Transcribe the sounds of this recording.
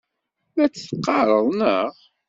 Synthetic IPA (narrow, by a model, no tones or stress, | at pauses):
mæt͡sːθqːɑɾˤəðˤnəʁ